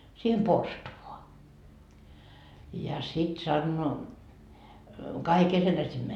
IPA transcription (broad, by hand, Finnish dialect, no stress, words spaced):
siːhem porstuʋoɑ jɑ sit sɑnːoː kɑikil ketæ sim